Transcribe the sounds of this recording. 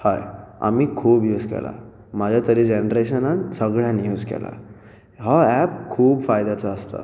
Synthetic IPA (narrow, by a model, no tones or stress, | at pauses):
haja̰miːkʰuːbjuskɛ̰la̰ | mad͡ʑʱjat̪əɾid͡ʑenɾeɕənansəɡɭjanijuskɛ̰la̰ | ɦaæp̚kʰuːbfajd̪at͡saəst̪a̰